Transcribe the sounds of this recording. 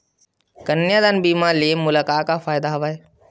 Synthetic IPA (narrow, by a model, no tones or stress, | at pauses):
kənːjãːd̪aːnbiːmaliemʊlaːkaːkafaːjd̪aɦɐʋaːeː